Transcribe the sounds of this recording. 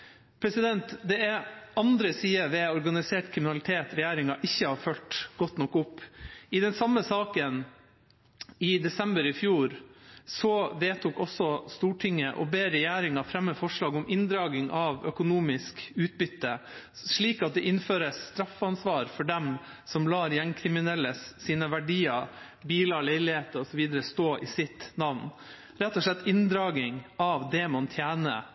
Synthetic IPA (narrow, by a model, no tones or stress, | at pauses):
pʰɾɛsɪd̪ɛnt̪d̪ɛɛɾɑnd̪ɾəsiːəʋɛɔɾɡɑnɪseːʈkʰɾɪmɪnɑlɪt̪ʰeːt̪ɾɛjæːɾɪŋɑʔɪçːəhɑːɾfœlt̪ɡ̥ɔt̪ːnɔkːʊpːɪd̪ɛnsɑmːəsɑːkən | ɪd̪ɛsɛmbəɾɪfjuːɾsɔʋeːt̪uːkɔsːɔst̪uːʈʰɪŋːəʔɔ̰beːɾɛjæːɾɪŋɑfɾɛmːəfɔʂɭɑːɡɔmʔɪnd̪ɾɑːɡɪŋʔɑʋœkʊnuːmɪskʉːt̪̚bʏt̪ːə | ʂɭiːkɑt̪̚d̪ɛʔɪnføːɾəsːt̪ɾɑfːɑnsʋɑːɾfɔɖɛmsɔmlɑːɾjɛŋkʰɾɪmɪnɛlːəsːiːnəʋæɖiːɑ | biːlɑɾlæɪlɪheːt̪əɔsɔʋiːd̪əɾəst̪oːʔɪsɪt̪nɑʋn | ɾɛt̪ːɔʂlɭɛt̪ːɪnd̪ɾɑːɡɪŋɑʋd̪ɛmɑnt̪ʰjæːnə̰